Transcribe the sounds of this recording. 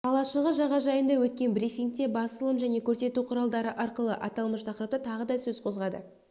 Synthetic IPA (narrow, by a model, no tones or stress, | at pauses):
qʰɑlˠɑʃəlˠʁəʒɑʁɑʒɑjənd̪ɑwɵt̪̚kʲe̞nbɾifiŋk̚t̪e̞bɑsəlˠəmʒæne̞kʲʰɵɾse̞t̪uqʰʊɾɑlˠd̪ɑɾəʔɑɾqəlˠə̰ʔɑ̰t̪ɑlˠməʃt̪ʰɑqɾəp̚t̪ət̪ʰɑʁəd̪ɑsɵzqʰo̞zʁɑd̪ə̰